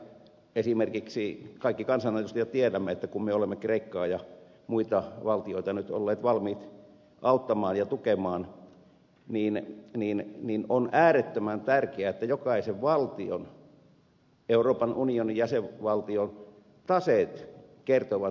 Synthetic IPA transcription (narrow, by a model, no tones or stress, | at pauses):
esimerkiksikɑikːikɑnsɑnet̪ust̪jot̪iedæmːeet̪ːækummeolemːekreikːɑːjɑ | muit̪ɑʋɑlt̪ioit̪ɑnyt̪o̰lːeːt̪ʋɑlmiːt̪ | ʔɑut̪ːɑmɑːnjɑt̪ukemɑːn | niːnniːnninonæːret̪ːømænt̪ærkeæet̪ːæjokɑiseʋʋɑlt̪io̰n | euroːpɑnʔunionijæseʋʋɑlt̪ion | t̪ɑset̪kert̪oʋɑ